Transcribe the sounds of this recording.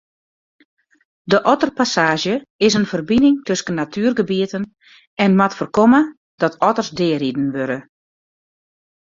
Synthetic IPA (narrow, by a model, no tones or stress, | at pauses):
dəʔɔtərpasaːʒjəɪsənfərbinɪŋtøskənːatʰyːərɡəbiətən | ɛnmatfərkomə | d̥ɔtʰɔtərsdɪːridən̩ʋøɾə